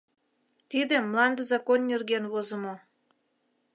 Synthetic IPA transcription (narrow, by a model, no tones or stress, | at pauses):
t̪id̪ĕmlɑnd̪əzɑkonːʲerɣenβozə̆mo